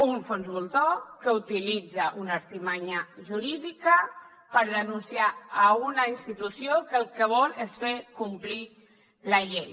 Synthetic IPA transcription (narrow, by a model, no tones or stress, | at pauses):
uɱfonzβulˠt̪okəut̪ilid͡zaʔunəɾt̪imaɲəʒuɾiðikə | pəɾðənunsiaːɣunainst̪it̪usjokəlˠkəβ̞ɔlesfekumpli | lɐʎej